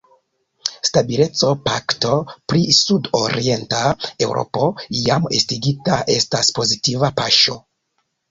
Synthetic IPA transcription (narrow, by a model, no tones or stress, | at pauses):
stabile̞t͡so̞pakto̞pɾisudo̞ɾie̞ntae̞wɾʔo̞̰po̞jame̞stiɡitaʔe̞staspo̞zitivapaʃo̞